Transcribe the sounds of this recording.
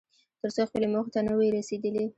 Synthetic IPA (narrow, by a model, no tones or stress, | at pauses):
t̪əɾsoxpəlemoxt̪anəweɾased̪əli